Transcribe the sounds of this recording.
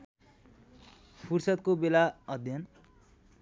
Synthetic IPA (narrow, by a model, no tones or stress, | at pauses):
pʰursʌt̪̚kobelaʌd̪ʱjʌn